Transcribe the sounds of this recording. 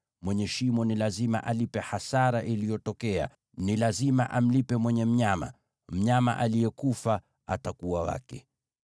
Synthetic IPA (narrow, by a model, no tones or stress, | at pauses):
mwɛɲɛʃimɔnilazima̰ʔalipɛhasaɾaʔilijɔtɔkɛa̰ | nilazima̰ʔam̩lipɛmwɛɲɛm̩ɲama̰ | m̩ɲama̰ʔalijɛkufa | atakuwawa̰kɛ̰